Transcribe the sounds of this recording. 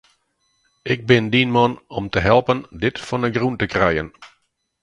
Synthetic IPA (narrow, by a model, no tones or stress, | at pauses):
ʔɪk̚bɪndinmɔnɔmtəɦɛlˠpəndɪtfɔnəɡruntəkrɛjən